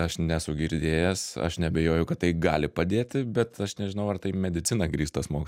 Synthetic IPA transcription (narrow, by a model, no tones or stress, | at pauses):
ɐʃnʲɛsʊɡʲɪɾʲd̪ʲeːjɛsɐ̰ʃnʲɛɐbʲɛjoːjʊkɐt̪t̪ːɐɪɡɑːlʲɪpɐd̪ʲeːt̪ʲɪbʲɛt̪ɐʃnʲɛʒʲɪnɐʊɐrt̪ɐɪmʲɛd̪ʲɪt͡s̪ʲɪnɐɡɾʲiːst̪ɐsmoːkʲ